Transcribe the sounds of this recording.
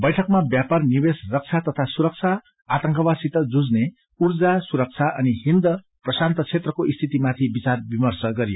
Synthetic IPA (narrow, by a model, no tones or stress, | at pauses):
bʌjʈʰʌk̚mabjaparnibesrʌk̚t͡sʰat̪ʌt̪ʰasuɾʌk̚t͡sʰaː | t̪ʌŋkʌbasit̪ʌd͡zud͡zne | urd͡zasuɾʌk̚t͡sʰaʔʌniɦind̪ʌ | prʌsant̪ʌt͡sʰet̪rʌkoʔist̪ʰit̪imat̪ʰibit͡sarbimʌrsʌɡʌɾijo